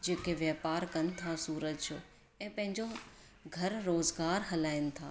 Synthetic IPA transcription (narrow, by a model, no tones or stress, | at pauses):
d͡ʒeːkeʋjaːpaːɾkɐnɪ̆t̪ʰasuːɾəd͡ʒt͡ʃo | ɛ̃pɐ̃ɦɪ̃ɲd͡ʒo | ɡʱɐɾɾoːzɡaːɾɦɐlaːɪnɪ̆t̪ʰaː